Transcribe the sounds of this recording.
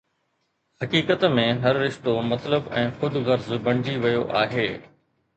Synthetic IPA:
hɐkiːkət̪mẽɦɐɾːɪʃt̪omɐt̪ləbɛ̃ːxʊd̪ɣɐɾzbɐ̃ɽ̃ɪd͡ʑiʋɐjoʔaːɦeː

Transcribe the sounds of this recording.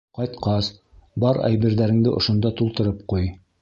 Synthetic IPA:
qɑjt̪qɑs | bɑɾæ̰jβɘ̆ɾðæɾɘ̆ŋd̪ɘʔŏʃŏnd̪ɑt̪ulˠt̪ɤ̆ɾɤp̚quj

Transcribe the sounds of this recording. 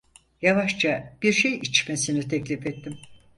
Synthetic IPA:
javaʃt͡ʃab̥iɾʃejit͡ʃmesinit̪ʰɛclʲifɛt̪ʰːim

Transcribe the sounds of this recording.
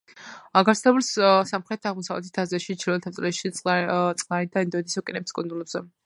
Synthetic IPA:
aɡaɾt̪sʰlɛbulssamχɾɛt̪ʰaʁmɔsavlɛ̰t̪ʰi̥t̪ʰːazaʃit͡ʃʰiɾɔɛt̪ʰasʼlɛʃit̪sʼqʼlaɾid̪aɛnd̪ɔɛd̪isɔkʼinɛpskʼund̪ulɛbz̥ɛ

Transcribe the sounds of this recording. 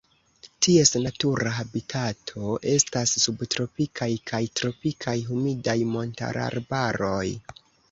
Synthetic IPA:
tʰie̞snatuɾaɦabitʰatʰo̞ʔe̞stasːubtɾo̞pikʰajkʰajtɾo̞pikʰajɦumidajmo̞nta̰ɾa̰ɾbaɾo̞j

